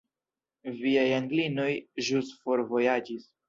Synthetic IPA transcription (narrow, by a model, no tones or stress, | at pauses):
viajaŋɡlino̞jʒusfo̞ɾvo̞jad͡ʒis